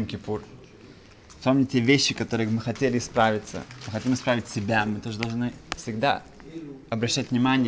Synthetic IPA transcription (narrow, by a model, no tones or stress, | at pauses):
mkʲɪpur | sʲpomnʲɪtʲevʲeɕːɪkɐt̪o̞ɾɨɪmɨxɐtʲelʲɪspɾavʲɪt̪sə̰mɨxɐtʲimɨspɾavʲɪtʲsʲɪbʲamɨt̪o̞ʐəd̪ɐlˠʐnɨfsʲɪɡd̪a̰ | ɐbɾɐɕːætʲvnʲɪmanʲɪj